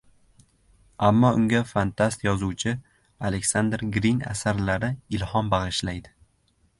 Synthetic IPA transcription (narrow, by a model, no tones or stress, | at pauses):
amːɒʊŋɡʲafant̪ʰast̪jɒzuwt͡ʃʰɪ | alekʲsand̪ɾɡɾinʲa̰saɾlaɾɪɪlhɒnbɑʁɨʃlajd̪ɪ